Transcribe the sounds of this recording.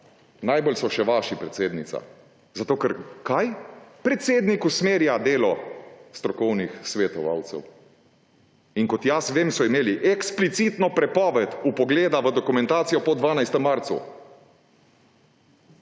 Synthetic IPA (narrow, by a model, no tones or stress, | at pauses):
najbolsɔʃɛʋaʃipɾɛt̪seːd̪nit̪sa̰ | zat̪oːkɛɾkajpɾɛt̪seːd̪nikusmeːɾjad̪eːlɔst̪ɾɔkɔwnixsʋet̪ɔʋa̰ːwt̪sɛ̰w | iŋkɔt̪jasʋeːmsɔimeːliʔɛksplit̪sit̪nɔpɾɛpɔːʋɛt̪upɔɡleːd̪aʋəd̪ɔkumɛ̃nt̪aːt̪sijɔpɔd̪ʋaːnajst̪ɛmːaɾt̪sṵ